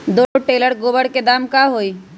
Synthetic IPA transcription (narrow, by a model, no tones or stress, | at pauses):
d̪oʈeːləɾɡoːbəɽked̪aːmkaɦoːiː